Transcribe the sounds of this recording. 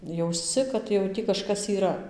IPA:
jɛʊsʲˈt͡sʲɪ kɐt jɛʊ ˈtʲiː kɐʃˈkɐs iːˈrɐ

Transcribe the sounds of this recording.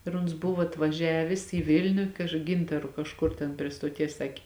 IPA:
ɪr ʊns ˈbʊʋoː ɐtʋɐˈʒʲæːʋʲeːs iː ˈʋʲɪlʲnʲʊ kɐʃ ˈɡʲɪntɐrʊ kɐʃˈkʊr tʲɛn pʲrʲiɛ stoːˈtʲiɛs ˈsɑːkʲeː

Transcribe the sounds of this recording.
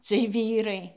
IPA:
t͡sʲiɛj ˈʋʲiːrɐɪ

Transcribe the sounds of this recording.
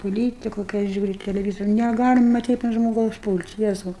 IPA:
poːˈlʲiːtʲɪkʊ kɐɪ ˈɐʃ ˈʒʲuːrʲʊ tʲɛlʲɛˈʋʲiːs nʲɛˈɡɑːlʲɪmɐ ˈtɐɪp ɐnt ʒmoːˈɡɐʊs ˈpuːlʲtʲ ˈjæːzɐʊ

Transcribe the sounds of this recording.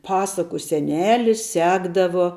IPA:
ˈpɑːsɐkʊ sʲɛˈnʲæːlʲɪs ˈsʲæːɡdɐʋoː

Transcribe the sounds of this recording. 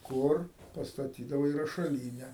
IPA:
ˈkʊr pɐstɐˈtʲiːdɐʋɐɪ rɐʃɐˈlʲiːnʲɛ

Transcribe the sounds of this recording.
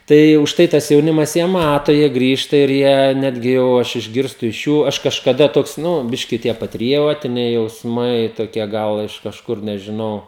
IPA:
ˈtɐɪ ʊʃˈtɐɪ tɐs jɛʊˈnʲɪmɐs jiɛ ˈmɑːtoː jiɛ ˈɡrʲiːʃtɐ ɪr ˈjiɛ ˈnʲæːdʲɡʲɪ jɛʊ ˈɐʃ ɪʒʲˈɡʲɪrstʊ ɪʃ ˈjuː ˈɐʃ kɐʃkɐˈdɐ ˈtoːks ˈnʊ ˈbʲɪʃʲkʲɪ tʲiɛ pɐtʲrʲɪˈjoːtʲɪnʲɛɪ jɛʊsˈmɐɪ toːˈkʲiɛ ˈɡɐlˠ ɪʃ kɐʃˈkʊr nʲɛʒʲɪˈnɐʊ

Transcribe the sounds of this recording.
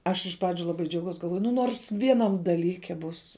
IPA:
ˈɐʃ ɪʃ ˈprɑːd͡ʒʲʊ lˠɐˈbɐɪ d͡ʒʲɛʊˈɡɐʊs ɡɐlˠˈʋoːjʊ nʊ ˈnoːrs ˈʋʲiɛˌnɐm dɐˈlʲiːkʲɛ buːs

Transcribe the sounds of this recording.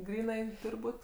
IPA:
ˈɡrʲiːnɐɪ ˈtuːrʲ ˈbuːtʲ

